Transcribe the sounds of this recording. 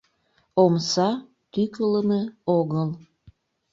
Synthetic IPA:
omsɑ | t̪ykələmeoɣəl

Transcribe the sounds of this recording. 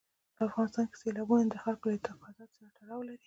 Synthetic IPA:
pəafɣɑnɪst̪ɑnke̥selɑbunand̪əxalkolət̪aqɑzɑt̪saɾaʈaɽɑwlaɾi

